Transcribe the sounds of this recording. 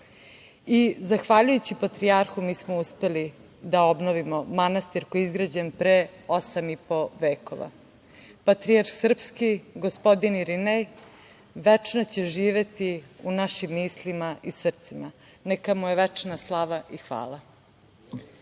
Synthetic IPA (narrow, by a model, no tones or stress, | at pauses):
izaxʋaʎujut͡ɕipat̪ɾiaɾxumiːsmouspe̞li | d̪ao̞bnoʋimo̞manast̪iɾkojizɡɾad͡ʑenpɾeosamipo̞ʋeːko̰ʋa̰ | pat̪ɾijaɾxsr̩pskiɡospo̞d̪iniɾinej | ʋet͡ʂnot͡ɕe̞ʒiːʋe̞t̪iunaʃimːiːslimaisr̩t̪sima | nekamujeʋɛt͡ʂnaslˠaʋaʔixʋa̰ːla